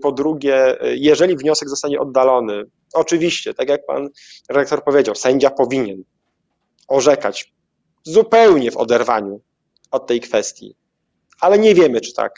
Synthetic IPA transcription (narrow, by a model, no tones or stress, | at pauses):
pɔd̪ɾuɡʲɛjɛʐɛlʲivɲɔsɛɡzɔst̪aɲɛʔɔd̪ːalɔnɘ | ɔt͡ʂɘvʲiɕt͡ɕɛt̪akjak̚pa̰n | ɾak̚t̪ɔɾpɔvʲed͡ʑawsɛɲd͡ʑapɔvʲiɲɛn | ɔʐɛka̰t͡ɕ | zupɛwɲɛvɔ̰d̪ɛɾva̰ɲu | ɔt̪ːɛjkfɛst̪ʲjḭ | alɛɲɛvʲjɛmɘt͡ʂɘ̥t̪ʰa̰k